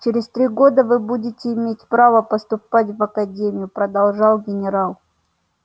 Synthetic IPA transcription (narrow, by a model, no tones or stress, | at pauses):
t͡ɕɪɾʲɪst̪ɾʲiɡo̞d̪əvɨbudʲɪtʲɪːmʲetʲpɾavəpəst̪ʊpat̬ʲvɐkɐdʲemʲɪjʊpɾəd̪ɐlˠʐɑlˠɡʲɪnʲɪɾalˠ